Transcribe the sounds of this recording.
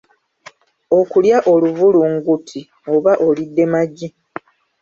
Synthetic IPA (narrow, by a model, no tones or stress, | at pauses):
o̞kuljaʔo̞luvuluŋɡutʰi | oβaʔolidːe̞maɟːi